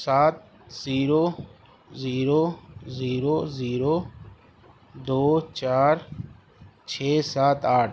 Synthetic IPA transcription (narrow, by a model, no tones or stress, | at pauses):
saːt̪̚ | ziːɾoː | ziːɾoːziːɾoːziːɾoː | d̪oːt͡ʃaːɾ | t͡ʃʰeːsaːt̪ʰaːʈʰ